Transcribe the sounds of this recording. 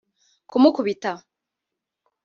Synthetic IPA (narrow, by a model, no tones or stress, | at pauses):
kumukuβita